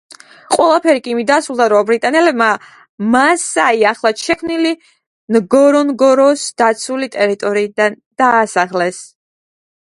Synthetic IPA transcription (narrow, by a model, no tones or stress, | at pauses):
qʼwɛlˠapʰɛɾikʼimid̪asɾulˠd̪aɾɔbɾit̪ʼanɛlɛbma | masaiaχlˠat̪ʃɛkʰmnili | nɡɔɾɔnɡɔɾɔsd̪̥at̪sʰulit̪ʼɛɾit̪ʼɔɾiːd̪and̪̥aːsaχlɛs